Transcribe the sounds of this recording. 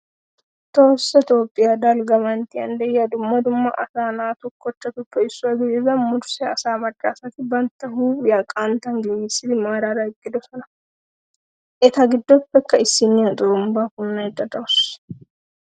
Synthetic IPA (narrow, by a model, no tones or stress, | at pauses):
t̪o̞ːsːɐt̪joːpʼːɪjad̪ɐlɡɐmɐnt̪ɪɐ̰nd̪ɛjɐd̪ʊmːɐd̪ʊmːɐʔɐsaːnaːt̪ʊkʰːɔt͡ʃːɐt̪ʊpːɛɪsːʊɐɡɪezɐmʊɾsɛɐsaːmɐʈʼːaːsɐt̪ɪbɐnt̪ːɐɦuːjɐkʼant̪ɐŋɡɛjisɪd̪ɪmaːɾaɾɐɪkʼːɪd̪ɔsɔnɐ | ʔɛt̪ɐɡɪd̪ːɔpːɛkːɐɪsːɪnːɪɐt̪ʼʊɾʊmbaːkʊnːɐjd̪ɐd̪ɐwʊs